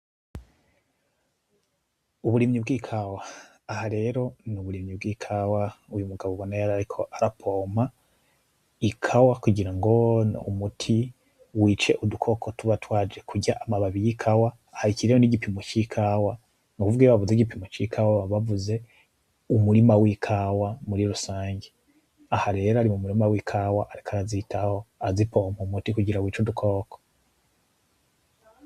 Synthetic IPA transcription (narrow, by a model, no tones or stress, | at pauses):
uβuɾimɲibɡiːkʰawaː | haɾe̞ːɾo̞nuβuɾimɲibɡiːkʰawaujumuɡaβoβonejaɾaɾikʰo̞ʔaɾapʰo̞ːma | ikʰawakuɟiɾaŋɡo̞ṵmutʰi | wiːt͡ʃe̞ʔudukʰo̞kʰo̞tuβatwaːd͡ʒe̞kʰuɟaʔamaβaβijikʰawaːhaɾiciɾejoniɟipimot͡ʃikʰawa | mukuvuɡijoβavuzeɟipimot͡ʃikʰawaβaβavuze̞ | umuɾimawikʰawamuɾiɾusaːɲɟe | ahaɾeːɾaɾimumuɾimawikʰawaʔaɾikʰaɾazitaho̞azipo̞ːm̥humutikuɟiɾawiːt͡ʃudukʰo̞ːko̥